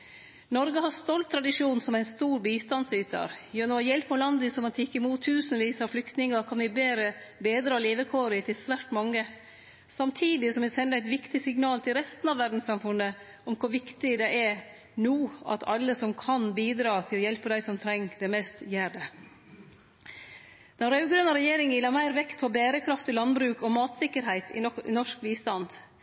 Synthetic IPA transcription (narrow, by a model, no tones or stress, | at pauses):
nɔɾɡəɦɑst̪ɔlt̪ʰːɾɑd̪ɪʂuːnnsɔmæɪnst̪uːɾbiːst̪ɑnsyːt̪ʰə̰ɾjøːnoːjɛlpəlɑnd̪əsɔmɑt̪jɪkːəɪmuːt̪ʰːʉːsənʋiːsɑɾflʏkt̪nɪŋəkʰɑnʋɪbeːɾə | beːd̪ɾɑːleːʋəkʰoːɾɪt̪ʰɪlsʋæːʈmɑŋːə | sɑmt̪ʰiːd̪ɪsɔmʋɛsɛnːəæɪt̪ʋɪkt̪ɪsɪŋnɑːlt̪ʰɪlɾɛst̪nɑʋæɖn̩sɑmfʉnːə | ɔmkʰʊʋɪkt̪ɪd̪ɛʔɛ | nuːɑ̰t̪ʰɑ̰lːəsɔmkʰɑnbiːd̪ɾɑːt̪ʰɪlɔjɛlpəd̪æɪsɔmt̪ʰɾɛŋːd̪ɛmɛːst̪jæːɖɛ | d̪̥ɛnɾɑʉɡɾœnəɾɛjeːɾɪŋjɪːlːɑɾmæɪɾʋɛkt̪̚pʰɔbæːɾəkʰɾɑft̪ɪlɑnbɾʉːkɔmɑːt̪sɪkːəɾɦæɪt̪ʰɪ̰nɔʂkʋiːst̪ɑnd̪